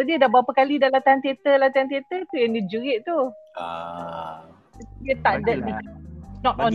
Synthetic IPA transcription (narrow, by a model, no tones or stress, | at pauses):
ɔdiədabapəkalidalat̪ant̪iet̪əlat̪iant̪iet̪ət̪ujɛndid͡ʒuɾɪʔt̪ṵ | diət̪aʔdɛdinɔt̪ɔ̃